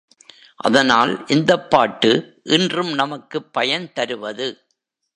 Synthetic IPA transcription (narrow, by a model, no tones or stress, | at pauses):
ʔɐ̰ðɐnaːlʔɪnd̪ɐpːaːʈːɯʔɪndrɯmnɐmɐkːɯpːɐjɐnt̪ɐɾɯʋɐðɯ